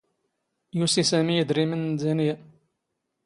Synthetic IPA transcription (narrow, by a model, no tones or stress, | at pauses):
jusisæmijəd̪ɾimənzænija